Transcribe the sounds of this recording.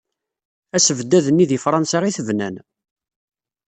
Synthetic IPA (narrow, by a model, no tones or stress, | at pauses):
æsəvd̪ːæðənːiðifɾˤɑnsaʁiθəvnæn